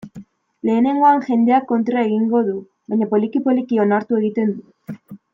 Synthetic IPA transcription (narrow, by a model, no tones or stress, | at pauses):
le̞ːne̞ŋɡo̞aŋxe̞nd̪e̞akːo̞nt̪ɾaeɣiŋɡo̞ðu | βajɲapo̞likipo̞likio̞naɾt̪ue̞ɣit̪e̞nd̪u